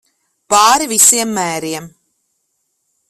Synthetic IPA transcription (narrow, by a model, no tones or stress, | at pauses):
paːɾivisiɛmːæːɾiɛm